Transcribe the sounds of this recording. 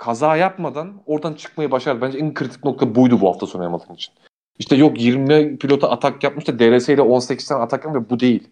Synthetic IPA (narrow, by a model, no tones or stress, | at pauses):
kʰazaːjapmad̪ano̞ɾd̪ant͡ʃʰɯ̥kmajabaʃaɾd̪ɯbænd͡ʒɛɛnkʰɯɾit̪ʰi̥c̚no̞k̚t̪ʰabujd̪ubuha̰ft̪ʰaso̞najamalˠɯːnit͡ʃʰi̥n | iʃt̪ʰɛjo̞kjiɾmmipʰilʲo̞t̪ʰaat̪ʰakjap̚mɯʃt̪ad̪eɾesɛilʲɛo̞nsecʰi̥st̪ɛnat̪ʰak̪amvɛbud̪e̞jilʲ